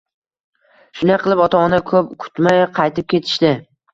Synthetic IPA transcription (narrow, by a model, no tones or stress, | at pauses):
ʃʊnaqʰɨlˠɪpɒt̪ʰaɒnakʰɵp̚kʰʊ̥t̪majqʰɑjt̪ʰɪp̚kʲʰe̞t̪ʰɪ̥ʃt̪ɪ